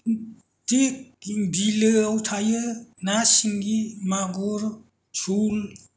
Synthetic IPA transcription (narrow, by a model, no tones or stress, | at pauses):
tekd̪iləawt̪ʰajɯnasiŋɡimaɡoɾ | sul